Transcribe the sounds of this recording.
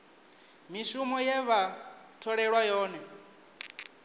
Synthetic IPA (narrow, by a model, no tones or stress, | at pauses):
miʃumɔjɛβa | tʰɔɺɛɺwajɔːnɛ